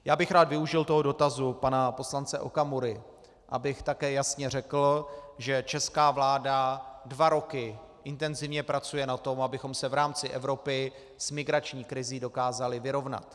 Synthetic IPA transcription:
jaːbɪxɾaːd̪vɪuʒɪlt̪o̞ɦo̞do̞t̪azupanapo̞slant͡sɛʔo̰kamuɾɪ | ʔa̰bɪxt̪akɛːjasɲɛr̝ɛkl̩ʒɛt͡ʃɛskaːvlaːdadvaɾo̞kɪ | ʔɪnt̪ɛnzɪvɲɛpɾat͡sujɛnat̪o̞mabɪxo̞msɛvɾaːmt͡sɪʔɛvɾo̞pɪ | z̥mɪɡɾat͡ʃɲiːkɾɪziːdo̞kaːzalɪvɪɾo̞vna̰t̪

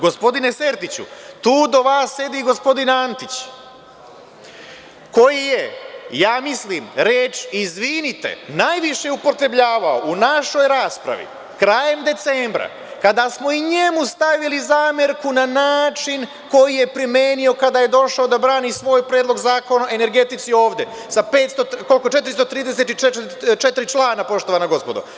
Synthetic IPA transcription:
ɡo̞spo̞d̪ine̞se̞ɾt̪it͡ɕṵt̪uːd̪o̞ʋaːsːe̞d̪iɡo̞spo̞d̪inant̪it͡ɕ | ko̞jijejaːmisliːmɾeːt͡ʃizʋinit̪ḛnajʋiʃe̞upo̞t̪ɾebʎaːʋao̞unaʃo̞jɾaːspɾa̰ʋḭ | kɾaje̞md̪e̞t̪seːmbɾa̰ | kad̪asmo̞iɲemust̪aʋilizaːmeɾkunanaːt͡ʃin | ko̞jije̞pɾimeːnio̞kad̪aːje̞d̪o̞ʃaod̪abɾaːnisʋo̞ːjpɾeːd̪lˠo̞ɡzaːko̞naʔe̞ne̞ɾɡe̞t̪it̪sio̞ːʋd̪e | sape̞ːt̪st̪oko̞lkot͡ʃe̞t̪ɾist̪ot̪ɾiːd̪e̞set̪it͡ʃet͡ʃet̪iɾit͡ʃlaːnapo̞ʃt̪o̞ʋanaɡo̞spo̞d̪o̰

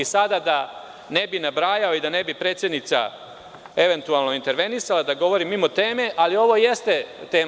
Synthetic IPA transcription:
isad̪ad̪a | ne̞binabɾaːjao̞id̪ane̞bipɾet̪sje̞d̪nit̪sa̰ | e̞ʋe̞nt̪ualˠno̞int̪e̞ɾʋe̞nisalad̪aɡo̞ʋo̞ɾimːimo̞t̪eːme̞ʔalio̞ʋo̞jest̪e̞t̪eː

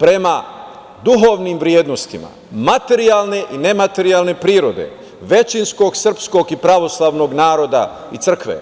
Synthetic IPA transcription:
pɾe̞ma | d̪uɦoːʋniːmʋɾjeːd̪no̞st̪ima̰ | mat̪e̞ɾiaːlˠne̞ʔine̞mat̪e̞ɾiaːlˠne̞pɾiːɾo̞d̪e̞̰ | ʋe̞t͡ʃinsko̞ɡsr̩psko̞ɡipɾaʋo̞slˠaːʋno̞ɡnaːɾo̞d̪a̰ | it̪sr̩kʋḛ

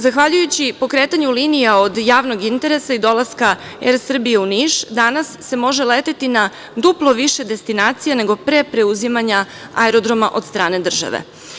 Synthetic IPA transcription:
zaxʋaʎujut͡ɕipo̞kɾe̞ːt̪aɲuliːnijao̞d̪jaːʋno̞ɡint̪e̞ɾe̞said̪o̞lˠaskaeɾsr̩bijeuniʃd̪anasːe̞mo̞ʒe̞leːt̪et̪ina | d̪uplˠo̞ʋiʃe̞d̪e̞st̪inaːt̪sijane̞ɡopɾepɾe̞uzimaɲa | a̰eɾo̞d̪ɾo̞maʔo̞d̪st̪ɾaːne̞d̪r̩ʒa̰ʋḛ

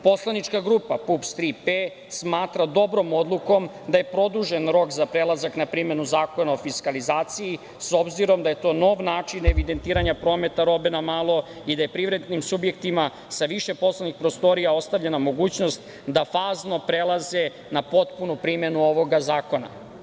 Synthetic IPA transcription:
po̞slˠanit͡ʃkaɡɾuːpapupst̪ɾipe | smaːt̪ɾad̪o̞bɾo̞mo̞d̪lˠuko̞m | d̪aje̞pɾo̞d̪uʒe̞nɾo̞kzapɾelˠazaknapɾime̞nuzaːko̞naofiskalizaːt̪siji | sobziɾo̞md̪aje̞t̪o̞ːno̞ʋnaːt͡ʂineʋid̪e̞nt̪iːɾaɲapɾo̞ːme̞t̪aɾo̞be̞namaːlˠo̞ | id̪aje̞pɾiʋɾe̞d̪nimsubje̞kt̪ima | saʋiʃe̞po̞slˠanixpɾo̞st̪o̞ɾijao̞st̪aʋʎenamo̞ɡuːt͡ɕno̞st̪ | d̪afaːzno̞pɾe̞lˠaze̞ | napo̞t̪punupɾime̞nuo̞ʋo̞ɡazaːko̞na̰

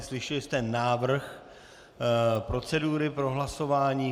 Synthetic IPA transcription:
slɪʃɛlɪst̪ɛnːaːvr̩x | pɾo̞t͡sɛduːɾɪpɾo̞ɦlaso̞vaːɲiː

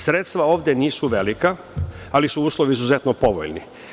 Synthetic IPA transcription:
sɾeːt̪st̪ʋao̞ːʋd̪ʲjeniːsuʋelika | alisuuːslˠoʋiːzuzet̪nopo̞ʋo̰ʎnḭ

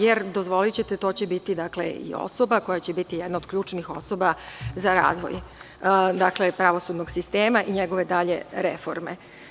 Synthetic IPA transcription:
jeɾd̪o̞zʋo̞lit͡ɕet̪et̪o̞ːt͡ɕebit̪id̪aklḛḭo̰so̞bako̞jat͡ɕebit̪ijed̪naod̪kʎuːt͡ʃnixo̞̰so̞bazaɾa̰ːzʋo̞̰j | d̪aklepɾaʋo̞sud̪noɡ̥sist̪e̞ːmaʔiɲeɡo̞ʋe̞d̪aʎḛɾefo̞̰ɾme

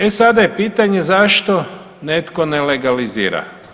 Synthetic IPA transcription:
esad̪ajepiːt̪aɲe̞zaʃt̪o̞ | net̪ko̞neleɡalizḭːɾa̰

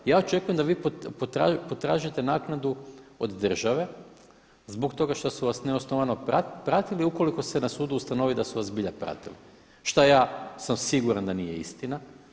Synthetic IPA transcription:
jaːot͡ʃe̞kuje̞md̪aʋiːpopot̪ɾapot̪ɾaːʒit̪e̞naːknad̪uod̪ːr̩ʒaʋe̞ | zbo̞kt̪o̞ɡaʃt̪osuʋasne̞osno̞ʋanoapɾat̪iliuko̞liko̞se̞nasuːd̪uːst̪ano̞ʋid̪asuʋasbiʎapɾa̰t̪ḭli | ʃt̪ajaːsamsiɡuɾand̪anije̞ḭst̪ina

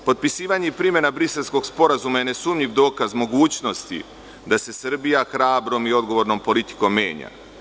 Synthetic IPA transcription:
po̞t̪̚pisiːʋaɲeipɾimje̞nabɾise̞lˠsko̞ɡspo̞ɾazumaje̞ne̞sumʎiʋd̪o̞ːkazmo̞ɡuːt͡ɕno̞st̪ḭ | d̪ase̞sr̩bijaxɾaːbɾo̞mio̞d̪ɡo̞ʋo̞ɾnompo̞lit̪i̥ko̞mːje̞ːɲa̰

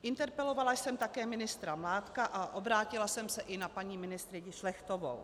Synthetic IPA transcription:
ʔɪnt̪ɛɾpɛlo̞valajsɛmt̪akɛːmɪnɪst̪ɾamlaːt̪kaʔaʔo̞bɾaːcɪlasɛmsɛʔɪnapaɲiːmɪnɪst̪ɾɪɟɪʃlɛxt̪ovo̰w

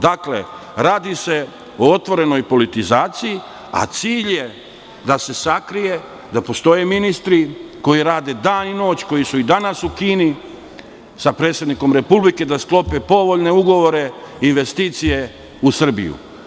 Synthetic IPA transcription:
d̪akle̞̰ɾaːd̪ise̞ | oot̪ʋo̞ɾe̞no̞jpo̞lit̪izaːt̪siji | a̰t̪siːʎje̞ | d̪ase̞sakɾije̞ | d̪apo̞st̪o̞jeminist̪ɾiko̞jiɾaːd̪e̞d̪aːnino̞ːt͡ɕko̞jisuid̪anasukiːni | sapɾet̪sjed̪niko̞mɾe̞publike̞d̪asklˠo̞pepo̞ʋo̞ʎne̞uɡo̞ʋo̞ɾe̞inʋe̞st̪iːt̪sije̞ | usr̩bḭjṵ

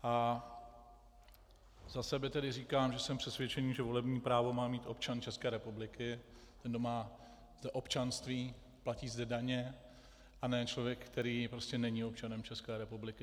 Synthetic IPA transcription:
ʔa | zasɛbɪt̪ɛdɪriːkaːmʒɛsɛmpr̥ɛsvʲjɛt͡ʃɛniːʒɛvo̞lɛbɲiːpɾaːvo̞maːmiːt̪ʔo̞p̚t͡ʃant͡ʃɛskɛːɾɛpublɪkɪ | t̪ɛndomaː | zd̪ɛʔo̞pt͡ʃanst̪viː | placiːzdɛdaɲɛ | ʔanɛːt͡ʃlovjɛkkt̪ɛɾiːpɾo̞scɛnɛɲio̞p̚t͡ʃanɛmt͡ʃɛskɛːɾɛpublɪkɪ

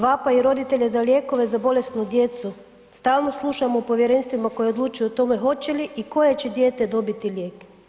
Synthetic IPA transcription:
ʋapaiɾo̞d̪it̪e̞ʎezalʲjeːko̞ʋezabo̞le̞st̪nud̪je̞t̪su | st̪aːlno̞slˠuʃamopo̞ʋjeɾeːnst̪ʋimako̞jeod̪luːt͡ʃujuot̪o̞mexo̞t͡ɕeliʔiko̞jet͡ɕed̪jeːt̪ed̪o̞bit̪ilʲjeːk

